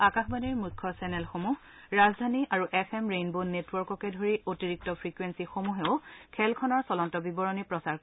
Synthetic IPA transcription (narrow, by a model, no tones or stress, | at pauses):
akaxbaniɹmukʰːɔsɛnɛlxomuh | ɹazdʱaniʔaɹuʔɛpʰɛmɹenbonːetwɔɹkɔkɛdʱoɹiʔotiɹik̚tɔpʰɹikwensixomuɦɛʊkʰɛlkʰɔnɔɹsɔlɔntɔbibɔɹɔnipɹɔsaɹ